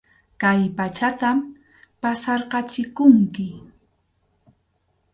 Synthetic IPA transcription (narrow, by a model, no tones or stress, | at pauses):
kajpat͡ʃat̪am | pasɑɾɢɑt͡ʃɪkʊŋkɪ